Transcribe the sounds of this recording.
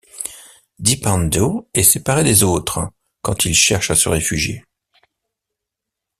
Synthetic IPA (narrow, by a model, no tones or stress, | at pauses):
d̪ipɑ̃nd̪oɛsepaʁed̪ezot̪χ | kɑ̃t̪ilʃɛʁʃasə̰ʁefyʒjḛ